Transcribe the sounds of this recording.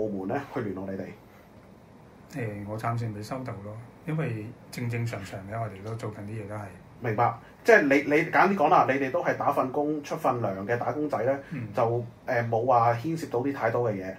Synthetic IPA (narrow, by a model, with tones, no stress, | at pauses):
wmuː˨˩nlɛː˥hɵ˧lyː˨˩nɔ˨le˨˧jt̪e˨j | ɛː˨˩ŋɔː˨˧t͡sʰaː˧ms̬yː˧npe˨˥jsɐ˥wt̪o˨wlɔː˥jɐ˥nwɐ˨jt͡sɪ˧ŋt͡sɪ˧ŋsœː˨˩ŋsʰœː˨˩ŋkɛ˨˥ŋɔː˨˧t̪e˨jt̪o˥wt͡so˨wkɐ˨˩nt̪iː˥jɛː˨˧t̪o˥hɐ˨j | mɪ˨˩ŋpaː˧k̚ | t͡sɛː˥˩le˨˧jle˨˧kaː˨˥nt̪̬iː˥kɔː˨˥ŋlaː˧le˨˧jt̪e˨jt̪o˥wɦɐ˨˩jt̪aː˨˥fɐ˧nkʊ˥ŋt͡ʃʰɵ˥t̚fɐ˧nlœː˨˩ŋkɛː˧t̪aː˨˥kʊ˥ŋt͡sɐ˨˥jlɛː˥t͡sɐ˨wʔɛː˨mo˨˧wːaː˨hiː˥nsi˧p̚t̪o˧˥t̪iː˥t̪ʰaː˧jt̪ɔː˥kɛː˧jɛː˨˧